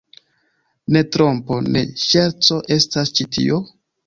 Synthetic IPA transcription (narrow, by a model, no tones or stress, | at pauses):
ne̞tɾo̞mpo̞ne̞̰ʃeɾt͡so̞ʔe̞stast͡ʃitʰḭo